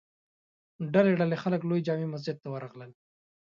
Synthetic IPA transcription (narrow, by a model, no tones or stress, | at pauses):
ɖaleɖalexaləklojd͡ʒɑmimas̬d͡ʒɪd̪̚t̪awaɾɑɣləl